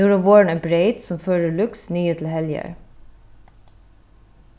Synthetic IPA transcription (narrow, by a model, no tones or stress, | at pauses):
uːɾəʋoːɹɳenbɾeɪt̪sɔmføːɹəɭʉksnyːət̪ʰl̩hɛljə̰ɹ